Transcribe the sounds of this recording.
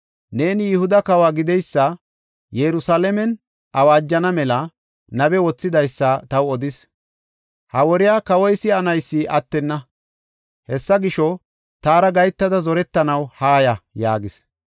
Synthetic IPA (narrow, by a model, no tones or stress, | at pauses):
ne̞ːnɪjɪhʊd̪ɐkɐwaːɡɪd̪ɛjsːɐ | jɛɾʊsaːlɛmɛn | ʔɐwaːd͡ʒːɐnɐmɛlɐ | nɐbɛwɔt͡sːɪd̪ɐjsːɐt̪ɐwɔd̪ɪs | hɐwɔɾɪjaːkɐwɔjsɪɐnɐjsːɪʔɐt̪ːɛnːɐ | hɛsːɐɡɪʃɔ | t̪aːɾɐɡɐjt̪ːɐd̪ɐzɔɾɛt̪ːɐnɐwhaːjɐjaːɡɪs